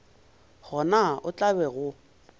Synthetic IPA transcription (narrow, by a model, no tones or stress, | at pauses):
ɣɔnaʔʊt͡ɬʼabɛɣʊ